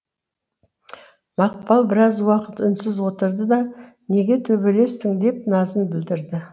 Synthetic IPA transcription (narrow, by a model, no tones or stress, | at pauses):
mɑq̚pɑlˠbɪɾɑzwɑqət̪ʏnsɪzwo̞t̪əɾd̪əd̪ɑ | ne̞ɡʲe̞t̪ʰɵbe̞le̞st̪ɪŋd̪e̞p̚nɑzənbɪld̪ɪɾd̪ɪ